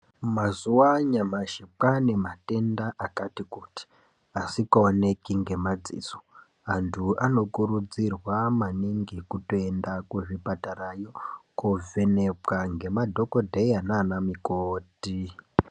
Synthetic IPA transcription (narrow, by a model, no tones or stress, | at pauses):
mazuwaɲamaʃipane̞mate̞ndaʔakatikuːti̥ | asikaone̞kiŋɡe̞mad͡zḭd͡zo̥ | antʰuʔano̞kurud͡zirwamaniŋɡikuto̞e̞ndakuʐipatarajokovene̞pwaŋɡe̞madʱo̞ko̞dʱejananamikoːti